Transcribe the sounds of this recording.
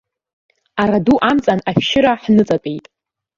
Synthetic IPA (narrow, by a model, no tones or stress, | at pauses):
aɾaduʔamt͡sʼanafʃɪɾaħnɨt͡sʼapʼejtʼ